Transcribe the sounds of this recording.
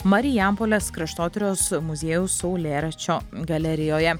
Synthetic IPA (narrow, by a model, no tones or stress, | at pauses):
mɐɾʲɪjæˑmpoːlʲɛskɾɐʃt̪oːt̪ʲɪɾʲoːsmʊzʲeːjʊsʊʊlʲeːɾɐt͡ʃʲoːɡɐlʲɛɾʲɪjoːjɛ